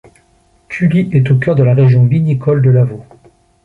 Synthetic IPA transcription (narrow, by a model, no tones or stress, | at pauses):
kʲʰyliʔɛt̪okʲœʁd̪əlaʁeʒjɔ̃vinikʰɔld̪əlavo